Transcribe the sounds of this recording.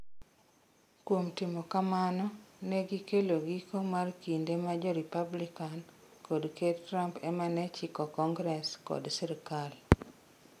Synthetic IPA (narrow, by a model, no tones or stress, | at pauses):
kwomtimɔkamanɔneɡikeloɡikomarkindemad͡ʒɔɾipablikan | kʰodketɾampɛmanɛt͡ʃikɔkɔŋɡɾɛskɔ̰dsiɾikal